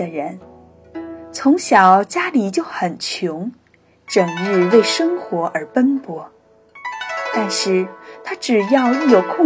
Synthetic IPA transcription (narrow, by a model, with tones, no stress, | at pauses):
ə˩ɻə˧˥n | t͡sʰʊ˧˥ŋɕjɑ˨˩ʊt͡ɕja˥li˨˩t͡ɕjo˥˩ʊxə˨˩nt͡ɕʰjʊ˧˥ŋ | ʈ͡ʂə˨˩ŋɻ̩˥˧we˥˩ɪʂɤ˥ŋxwɔ˧˥ʔə˞˧˥pə˥npwɔ˧˥ | t̪a˥˧nʂɻ̩˥˩t̪ʰa˥ʈ͡ʂɻ̩˨˩jɑ˥˧ʊy˥˩jo˨˩ʊkʰʊ˥˧